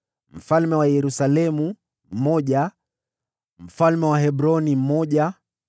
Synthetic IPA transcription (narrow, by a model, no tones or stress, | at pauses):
m̩falmɛwajɛɾusalɛmu | m̩mɔʄa | m̩falmɛwaɦɛbɾɔnim̩mɔʄa